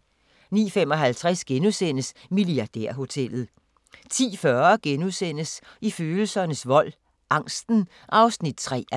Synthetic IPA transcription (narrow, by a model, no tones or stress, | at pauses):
nḭːfemɒ̽ɦælt͡sʰʁɛsɡ̥enusen̰əsmiliɑ̈d̥ḛɐ̰ɦo̝t͡sʰel̰ð̞̩ˠ | t͡sʰḭːfɶɐɡ̥enuðˠsen̰əsiføːl̩sɐnəsʋɒ̽l̰ | ʔɑ̈ŋ̰sd̥n̩ | ʔɑ̈ʊsnid̥̚t͡sʰʁɛ̰ː